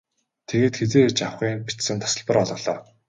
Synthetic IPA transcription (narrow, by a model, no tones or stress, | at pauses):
t̪ʰeɣeːt̪xet͡seːt͡ɕawχiːnpi̥t͡ssɘ̆nt̪ʰḁsə̆ɮpə̆rɔɮʁɞ̆ɮɔː